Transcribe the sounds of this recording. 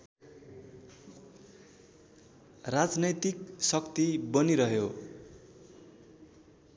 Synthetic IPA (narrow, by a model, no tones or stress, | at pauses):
rad͡znʌjt̪iksʌkt̪ibʌniɾʌɦjo